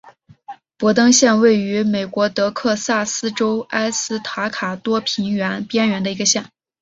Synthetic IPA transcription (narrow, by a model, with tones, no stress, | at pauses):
pwɔ˧˥t̪ɤ˥ŋɕjɛ˥˧nwe˥˩ɪy˧˥me˨˩ɪkwɔ˧˥t̪ɤ˧˥kʰɤ˥˧sa˥˩sɹ̩˥ʈ͡ʂo˥ʊa˥ɪsɹ̩˥t̪ʰa˧˥kʰa˨˩t̪wɔ˥pʰi˧˥nɥɛ˧˥npjɛ˥nɥɛ˧˥nd̪ə˧i˧˥ɡə˧ɕjɛ˥˩n